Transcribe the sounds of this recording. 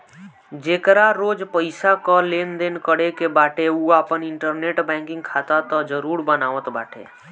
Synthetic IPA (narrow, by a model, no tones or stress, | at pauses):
d͡ʒeːkɾaɾoːd͡ʒpəɪsakɔleːnd̪eːnkəɽekebaːʈʰeuaːpənɪɳʈəɾneːʈbɛ̃ːŋkɪ̃ŋɡ̚kʰaːt̪at̪ɔd͡ʒəɾuːɾbənaːʋət̪baːʈʰḛː